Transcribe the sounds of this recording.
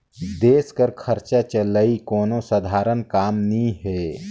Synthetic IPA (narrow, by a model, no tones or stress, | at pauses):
d̪eːskəɾkʰəɾt͡ʃat͡ʃəlaikɔːnosəd̪ʱaːɾənkaːmnĩɦɛː